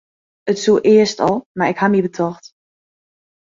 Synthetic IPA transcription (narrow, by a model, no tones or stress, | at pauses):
ətsuʔɪəstɔlˠmarɪkhamibətʰɔxt